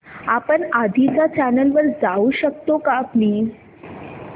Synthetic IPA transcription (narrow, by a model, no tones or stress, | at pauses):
apəɳad̪ʱid͡zat͡ɕænəlʋəɾd͡zauɕək̚t̪okapliːd͡z